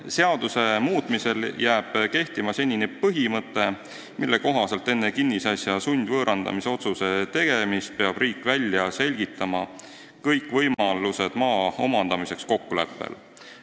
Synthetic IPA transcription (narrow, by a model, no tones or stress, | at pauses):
se̞ɑd̪̥use̞muːt̪ˑmise̞ljæːb̥ke̞ht̪imɑse̞nʲːinepɤɦimɤt̪ːˑe̞ | milːe̞ko̞ɦɑse̞lt̪ːˑe̞nːekinːisɑsʲjɑsunʲd̪̥vɤːɾɑnd̪̥ɑ̰mise̞o̞t̪suse̞t̪e̞ɡ̥e̞mist̪̚pe̞ɑb̥riːkːvælʲjɑse̞lʲɡ̥it̪ːˑɑmɑ | kɤjkːˑvɤjmɑluse̞d̪̥mɑːo̞̰mɑnd̪̥ɑmise̞ksko̞kːule̞̰pːˑḛl